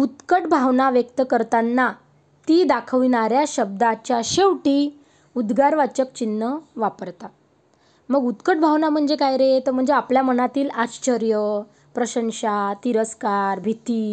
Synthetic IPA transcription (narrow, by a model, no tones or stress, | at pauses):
ut̪kəʈbʱaʋnaʋjək̚t̪əkəɾt̪anːa | t̪iːd̪akʰəʋinaɾjaɕəb̚d̪at͡ɕjaɕeʋʈiː | ud̪ɡaɾʋat͡ɕək̚t͡ɕinːəʋapəɾt̪a | məɡut̪kəʈbʱaʋnam̤əɳd͡zekajɾet̪əm̤əɳd͡zeapljamənat̪iːlat͡ɕt͡ɕəɾjə | pɾəɕəŋɕat̪iɾəskaɾbʱit̪iː